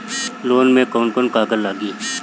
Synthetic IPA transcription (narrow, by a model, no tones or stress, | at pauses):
loːnmẽkoːnkonkaːɡəɾlaːɡi